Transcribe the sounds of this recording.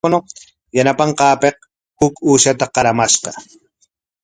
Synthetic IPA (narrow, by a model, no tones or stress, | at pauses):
no | janapɑɴqɑːpeq | hʊkuːʃat̪aqɑɾamaʃqɑ̰